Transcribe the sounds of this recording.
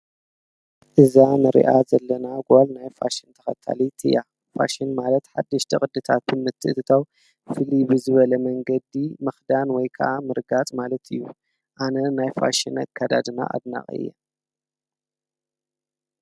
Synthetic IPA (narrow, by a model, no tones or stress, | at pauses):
ʔɨzanɨɾḭʔazɐlːɐnaɡolnajfa̰ʃɨnt̪ʰɐxɐ̰t̪ʰːa̰lit̪ʰɨ̰ja | fa̰ʃɨnmalɐt̪ħad̪ːɐʃt̪ʰɐχʼɨd̪ɨt̪ʰat̪̚bɨmɨt̪ʰːɨʔt̪ʰɨt̪ʰaw | fɨlibɨzɨβɐlɐmɐŋɡɐd̪imɨxd̪anwɔjkʰɐʔamɨɾɡat͡sʼmalɐt̪ʰɨjːu | ʔanɐnajfa̰ʃinakʰːad̪a̰d̪ɨna̰ʔa̰d̪na̰χʼɨ̰jːɐ̰